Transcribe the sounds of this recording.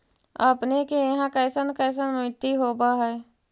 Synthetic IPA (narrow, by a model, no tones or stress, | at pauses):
ə̰pnekejɐɦãkəːsənkɛːs̬ənmʊɪt̪ːiɦoːbaɦɛː